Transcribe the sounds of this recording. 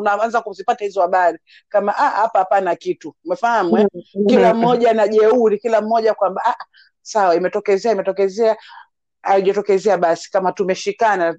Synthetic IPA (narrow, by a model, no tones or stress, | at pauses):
unaanzakuzipatahizɔhaɓaɾi | kamaʔahapaapanakituumɛfahamwɛkilam̩mɔʄanaʄɛuɾikilam̩mɔʄakwambaaʔa | sawaimɛtɔkɛzɛaimɛtɔkɛzɛa | aiʄɔtɔkɛzɛaɓasi̥kamatumɛʃikana